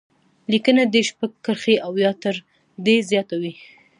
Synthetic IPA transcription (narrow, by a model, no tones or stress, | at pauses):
likənad̪eʃpaɡkːəɾxeawjɑt̪əɾ | d̪ezjɑt̪awi